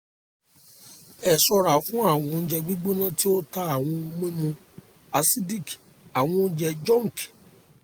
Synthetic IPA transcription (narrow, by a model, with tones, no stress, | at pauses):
ɛ˨sɔ˧ɾa˨fũ˦a˦˨w̃ɔ̃˧n̩˦d͡ʒɛ˧ɡ͡bi˦ɡ͡bo˦nã˦ti˦o˦ta˧a˨w̃ɔ̃˧o˧mẽ˦mũ˧ | a˧si˦di˦˨ki̥˨ | a˨w̃ɔ̃˧n̩˦d͡ʒɛ˧d͡ʒɔ̃˦˨ŋ˨k